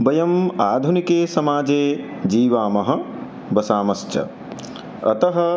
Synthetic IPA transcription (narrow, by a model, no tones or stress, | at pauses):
bɐjɐmaːd̪ʱunikeːsɐmaːd͡ʒeː | d͡ʒiːʋaːmɐɦɐ̆ | bɐsaːmɐst͡ʃɐ̰ | ɐ̰t̪ɐɦɐ̆